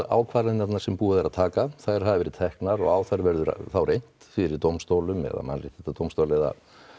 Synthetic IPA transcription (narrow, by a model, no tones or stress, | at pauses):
a̰ːwkʰvaːɾanat̪naɾ̥sɛmpuːðaɾaðt̪ʰaːkaθaɾ̥ɦaðvɛɾɪt̪ʰɛhknaɾɔɣaːwθaɾvɛɾðʏ̰θawrʔejn̥tt̪fɪɾɪɾt̪owmst̪oːwlʏmɛ̰ða̰ma̰nrɪt̪ʰːɛt̪at̪owmst̪owlɛða̰